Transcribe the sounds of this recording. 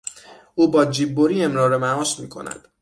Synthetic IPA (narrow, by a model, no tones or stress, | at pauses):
ʔuːbɒːd͡ʒiːbːoɾiːe̞mɾɒːɾemæɒːʃmiːkʰo̞̰næ̰d̪̥